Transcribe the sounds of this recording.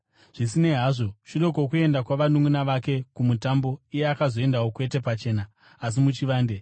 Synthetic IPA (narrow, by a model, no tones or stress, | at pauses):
ʐ̥isine̞ɦaːʐo̞ʃiɾo̞kok̬ue̞ndakwaʋanuŋunaʋake̞kumutambo̞ije̞akazo̞e̞ndawokwe̞te̞pat͡ʃe̞ːnaː | s̬imut͡ʃiʋaːnde